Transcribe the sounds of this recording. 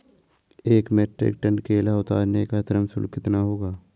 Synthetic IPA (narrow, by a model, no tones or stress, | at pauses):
eːkmeːʈɾɪ̰k̚ʈə̃ɳɖkeːlaʊt̪a̰ːɾnekat̪əɾəmsʊ̰lkɪt̪naɦoːɡaː